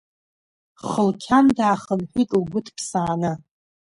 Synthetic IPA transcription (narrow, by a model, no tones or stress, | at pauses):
χəlkʲʰandaːχənħʷᶣitʼlɡʷʊtʰʼpʰsaːnɨ